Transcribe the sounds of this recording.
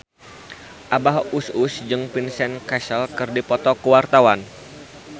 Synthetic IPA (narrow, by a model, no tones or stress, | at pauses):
ʔabaɦususd͡ʒɨŋpinsɛnkasəlkɨrdipɔt̪ɔkuwart̪awan